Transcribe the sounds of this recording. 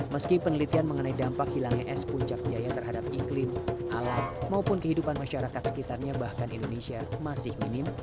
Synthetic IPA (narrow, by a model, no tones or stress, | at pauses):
məskɪpənəlit̪ianməŋənaidampakhilaŋɲaʔɛspuɲt͡ʃak̚d͡ʒajat̪ərɦadap̚iklɪmʔalahmaupʊnkəɦidupanmaʃaɾakat̪̚sə̥kit̪arɲabahkanindonesiamasɪhminɪm